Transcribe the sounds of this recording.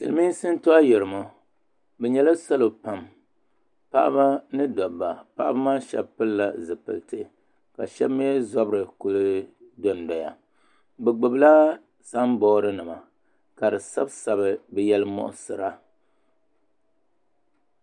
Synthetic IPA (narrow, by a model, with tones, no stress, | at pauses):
sɨ̰˨lɨ˨˦mi˦sɨ˦n˦to˦a˦jɛ˨ɾɨ˨mo˦ | bɛ˨ɲɛ˦la˦sa˦lo˨pa˨m | pa̰˦ʔa̰˦ba˦nɨ˦dɔ˨ba˨pa̰˦ʔa̰˦bɨ˦maː˦ʃɛ̰˨bpɨ˦lːa˦zɨ˨pɨ̰˨ltɨ˦ | ka̰˨ʃɛ˦bmi˦ɛ˦zɔ˦bɨ˦ɾɨ˨ku˨lɨ˦dɔ˨n˨da˨ja̰˨ | bɛ˨ɡ͡bɨ˨bla˦ | sa˦m˦bɔː˦ɾɨ˦nɨ˨ma˨ | ka˨dɨ˨sa˦bsa˨bɨ˨bɛ˨jɛ˦lɨ˦mɔ̰˦˨ʔʊ˦sɨ˨ɾa˦